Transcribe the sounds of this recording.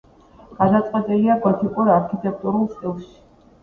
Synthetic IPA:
ɡ̥ad̪at̪sʼqʼwɛt̪ʼiliaɡɔt̪ʰikʼuɾaɾkʰit̪ʼɛk̚ʰt̪ʼuɾulˠst̪ʼilˠʃi̥

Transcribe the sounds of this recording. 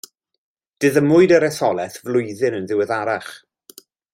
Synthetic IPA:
d̥ɨðəmʊɨdəɾɛθɔlˠɛθvlʊjðɨnənðɪwɛðaɾaχ

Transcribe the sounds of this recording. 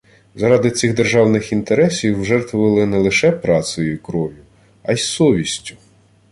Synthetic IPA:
zɐɾɑd̪ɪsʲiɣd̪erʒɑwnɪxint̪eɾɛsʲiwʒɛrt̪ʋʊʋɪlˠɪnɛlˠɪʃɛpɾɑt̪sʊjʊkɾɔʋʲjʊ | ɑjssɔʋʲisʲtʲʊ̥

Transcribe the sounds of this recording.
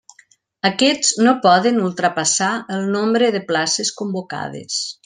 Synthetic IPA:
əkɛd͡znopɔðənulˠt̪ɾəpasaəlˠnombɾəðəplaseskumboka̰ðḛs

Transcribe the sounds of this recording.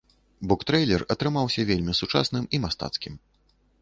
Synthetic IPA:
bɔkt̪ɾɛjlʲɛrɐt̪ɾɨmawsʲɐvʲelʲmʲisut͡ʂa̰snɨmimast̪a̰t̪skʲim

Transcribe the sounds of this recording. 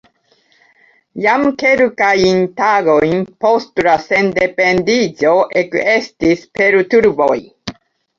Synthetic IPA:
jamkeɾukajint̪aɡojnpost̪ɾasend̪epend̪it͡soʔekest̪ispeɾt̪uɾboj

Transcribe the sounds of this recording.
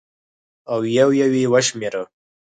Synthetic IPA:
awjawjawiwaʃmeɾə

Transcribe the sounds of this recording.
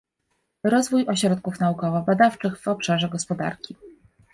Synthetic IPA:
ɾɔzvujɔɕɾɔt̪̚kufnaukɔvabad̪aft͡ʂɘɣvɔpʂaʐɛɡɔspɔd̪a̰ɾkʲi

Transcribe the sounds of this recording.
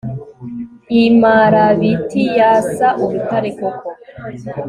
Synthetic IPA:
imaːɾaβitijasaʔuɾutaɾekoko

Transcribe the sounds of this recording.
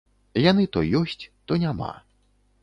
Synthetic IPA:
janɨt̪ɔjɔsʲt͡sʲt̪ɔnʲama̰

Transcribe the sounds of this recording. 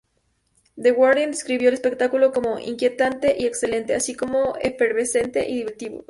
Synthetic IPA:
d̪eɣwaɾðend̪eskɾiβjoelespe̞k̚t̪akulo̞komo̞ʔḭŋkje̞t̪ant̪e̞ʔie̞kse̞le̞nt̪e̞asiko̞mo̞efeɾβese̞nt̪e̞̰ʔiðiβeɾt̪iβo̰

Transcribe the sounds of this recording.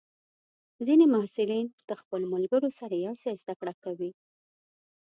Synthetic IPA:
zinemahsɪlind̪̥əxpəloməlɡəɾosaɾajawsezd̪akɽakawi

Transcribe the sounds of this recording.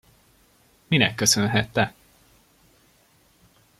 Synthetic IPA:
minɛkːøsønɦɛt̪ːɛ

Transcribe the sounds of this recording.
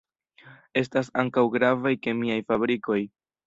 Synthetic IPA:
e̞s̬tasaŋkawɡɾavajke̞miajfabɾiko̞j

